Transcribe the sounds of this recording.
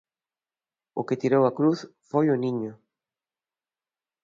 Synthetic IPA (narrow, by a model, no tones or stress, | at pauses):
ʊkɪt̪iɾowɐkɾuθfojʊnĩɲʊ